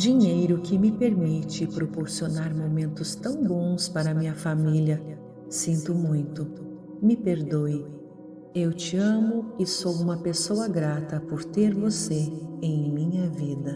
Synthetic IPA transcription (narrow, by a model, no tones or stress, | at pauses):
d͡ʒiɲejɾʊkɪmɪpeɾmit͡ʃɪpɾopoɾsionaɾmomẽnt̪ʊst̪ɐ̃w̃bõw̃spaɾɐmĩɲɐfamiljɐ | sĩnt̪ʊmũj̃t̪ʊ | mɪpeɾd̪oj | ewt͡ʃɪɐ̃mʊɪsowũmɐpesowɐɡɾat̪ɐpoɾt̪eɾvoseẽj̃mĩɲɐvid̪ɐ